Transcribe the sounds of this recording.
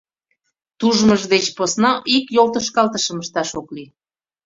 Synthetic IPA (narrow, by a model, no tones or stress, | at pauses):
t̪uʒməʒd̪et͡ɕposnɑʔikjolt̪əʃkɑlt̪əʃəməʃt̪ɑʃokli